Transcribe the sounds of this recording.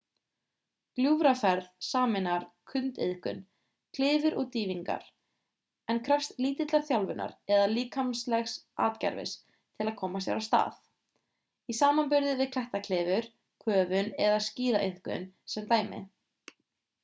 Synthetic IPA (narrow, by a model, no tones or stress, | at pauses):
kljuːvɾafɛɾðsaːmɪnaɾ̥kʰʏnt̪ḛðhkʏ̰n | kʰlɪːvʏɾʔɔɣt̪iːviŋka̰ɾ̥ | ɛnkʰɾœfst̪liːt̪ɪt̪laɾθjawlvʏnːa̰ɾɛðaliːkʰamslɛxsʔa̰ːt̪cɛ̰ɾvɪ̰s | t̪ʰɪlaðkʰɔːmasja̰wɾast̪a̰ːθ | isaːmanpʏɾðɪvɪðkʰl̥ɛht̪akʰlɪːvʏɾ̥ | kʰœːvʏnɛðasciːðaʔeðhkʏ̰nsɛmt̪aːjmɪ̰